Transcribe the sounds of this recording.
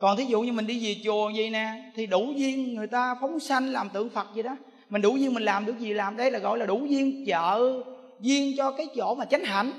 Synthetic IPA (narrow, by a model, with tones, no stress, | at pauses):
kɔ˨˩nt̪ʰi˨˦zṵ˧˨ɲɨ˧mï˨˩ŋ̟ɗi˧zi˨˩t͡ɕu˨˩əzi˧˩nɛ˨˩t̪ʰi˨˩ɗu˧˩zi˧ənːɨ˨˩əjt̪aː˧fɔ˨˦wŋ͡msa˧jŋ̟laː˨˩mt̪ɨ̰˧˨əŋfə˨˩t̚zi˨˩ɗɔ˨˦ | mï˨˩ŋ̟ɗu˨˧˩zi˧əŋmi˨˩laː˨˩mɗɨ˨˩ək̚zi˨˩laː˨˩mɗə˧jlaː˨˩ɣɔ̰˧˨jlaː˨˩ɗu˧˩˦zi˧ənt͡ɕə̰ː˧˨ | zi˧ənt͡ɕɔ˧kaː˨˦jt͡ɕo̰˧˥maː˨˩t͡ɕa˨˦jŋ̟ɦa̰˧˩jŋ